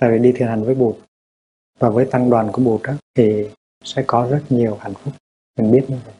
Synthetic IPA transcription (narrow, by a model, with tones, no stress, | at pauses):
t̪a̰ː˧˨vi˨˩ɗi˧i˨˩ənɦa˨˩jŋ̟vəː˨˦jɓo˨˩t̚ | vaː˨˩vəː˨˦jt̪a˧ŋɗwaː˨˩nku˧˩əɓo˨˩t̚ɗaː˨˦t̪ʰi˨˩ | sɛ̰˧˥kɔ˨˦zə˦˥t̚ɲi˨˩əwha˨˩jŋ̟fʊ˦˥k͡p̚ | mɨ˨˩ŋɓi˦˥ət̚ɲɨ˧və˨˧˨j